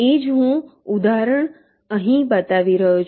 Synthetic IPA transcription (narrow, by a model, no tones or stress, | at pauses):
ed͡ʒɦũud̪aɾəɳ | əɦĩbət̪aʋiɾəɦut͡ʃʰ